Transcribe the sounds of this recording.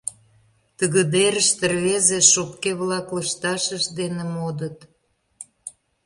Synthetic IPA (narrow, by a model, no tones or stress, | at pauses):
t̪əɣə̆d̪eɾəʃt̪ərβezeʃopkeβlɑkləʃt̪ɑʃəʃd̪enĕmod̪ət̪